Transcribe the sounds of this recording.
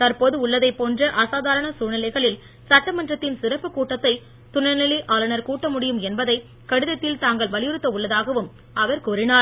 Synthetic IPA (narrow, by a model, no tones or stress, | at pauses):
t̪ɐɾpoːðɯʊɭːɐðɐɪpːoːndrɐʔɐsaːðaːɾɐɳɐsuːnɪlɐɪɣɐɭɪl | sɐʈːɐmɐndrɐt̪ːɪnsɪɾɐpːɯkuːʈːɐt̪ːɐɪ | t̪ʊɳɐɾnɪliʔaːlɐnɐɾkuːʈːɐmʊɽɪjɯmɛnbɐðɐɪ | kɐɽɪðɐt̪ːɪlt̪aːŋɡɐɭʋɐlɪjɯɾɯt̪ːɐʊɭːɐðaːɣɐʋɯm | ɐʋɐɾkuːɾɪnaːɾ